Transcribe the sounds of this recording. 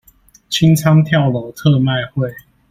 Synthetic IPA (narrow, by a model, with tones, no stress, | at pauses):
t͡ɕʰi˦ŋt͡sʰɑ˦ŋt̪ʰjɑ˥˨ʊlo˨˦t̪ʰɤ˥˧ma˥˨ɪxwe˥˨ɪ